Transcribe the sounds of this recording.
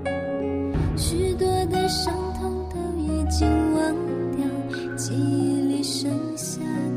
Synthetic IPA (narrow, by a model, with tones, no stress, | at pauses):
ɕy˧˥t̪wɔ˥t̪ə˧ʂɑ˧˥ŋt̪ʰɑ˧˥ŋt̪ə˧ɛ˧t͡ɕi˧ŋwɑ˧˥ŋt̪jɑ˧˩ | t͡ɕi˧˥li˧˩ʂə˧˥ | ɕa˧˩